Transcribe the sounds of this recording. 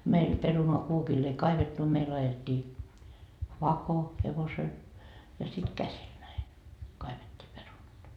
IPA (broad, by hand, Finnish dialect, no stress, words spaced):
meil perunoɑ kuokilː ei kɑiʋetːu meil ɑjetʲːiː ʋɑko heʋosel jɑ sit kæsil næi kɑiʋetʲːiː perunɑt